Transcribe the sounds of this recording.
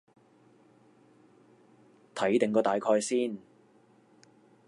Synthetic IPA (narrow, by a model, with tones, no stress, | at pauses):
t̪ʰɐ˨˥jt̪ɪ˨ŋkɔː˧t̪aː˨jkʰɔː˧jsiː˥˩n